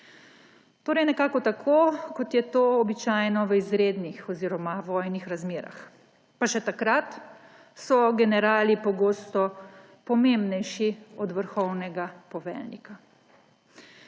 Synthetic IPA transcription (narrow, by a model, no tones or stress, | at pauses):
t̪oːɾɛjnɛkaːkɔt̪akʰoːkɔt̪jɛt̪oːbit͡ʃaːjnɔʋəizɾeːd̪nixɔziːɾɔmaʋɔːjnixɾazmeːɾa̰x | paʃɛt̪akɾat̪ | sɔɡɛnɛɾaːlipɔɡoːst̪ɔ | pɔmembnɛjʃiɔd̪ʋəɾxɔwnɛɡapɔʋɛ̰lnḭka